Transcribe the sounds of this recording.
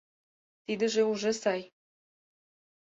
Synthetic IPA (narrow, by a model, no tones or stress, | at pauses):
t̪id̪ə̆ʒeuʒesɑj